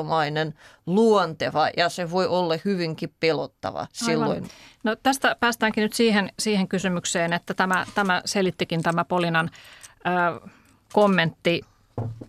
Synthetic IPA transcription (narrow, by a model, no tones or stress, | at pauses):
mɑinenluont̪eʋɑjɑseʋoiʔolːɑhyʋiŋkippelot̪ːɑ̰ʋɑ̰silːo̰innot̪æst̪æpæːst̪æːŋkinyt̪siːhensiːheŋkysymykseːnet̪ːæt̪æmæt̪æmæselit̪ːikint̪æmæpolinɑnəː | komːent̪ːi